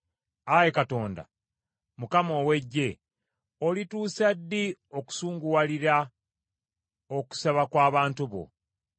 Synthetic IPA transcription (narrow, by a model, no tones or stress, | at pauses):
aje̞kato̞ːnda̰ | mukamo̞we̞ɟːe̞ | olituːsadːio̞ku̥suːŋɡuwaliɾa | o̞ku̥saβakwaːβaːntuβo̞̰